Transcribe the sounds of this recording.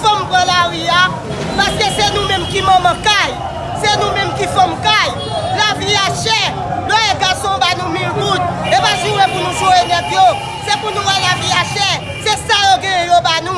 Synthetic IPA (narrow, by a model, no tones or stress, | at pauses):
fɔ̃mpʁãlaʁia | paskesenũmɛ̃mkimʌ̃mʌ̃kaj | senũmɛ̃mkifɔ̃mkaj | laviaʃɛ | lwɛeɡasɔ̃banũmĩlʁut̪̚epaʒuwepunũʒoenɛt̪jo | sepunũmalaviaʃɛ | sesajoɡɛ̃jɛ̃jobanũ